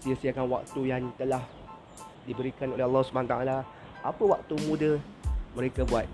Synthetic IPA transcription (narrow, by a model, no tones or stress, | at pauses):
siasiakanwa̰k̚t̪ujaŋt̪əlah | dibəɾikanolealːɑhsubaant̪a̰ala | ʔapəwak̚t̪umũdəmə̃ɾekabuat̪̚